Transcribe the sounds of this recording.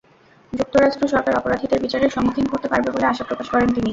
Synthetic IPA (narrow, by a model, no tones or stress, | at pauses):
d͡ʑuk̚t̪oɾaʃʈɾoʃɔɾkaɾɔpoɾad̪ʱid̪eɾbit͡ɕaɾeɾʃɔŋok̪ʰinkoɾt̪epaɾbeboleaʃapɾokaʃkɔɾent̪ini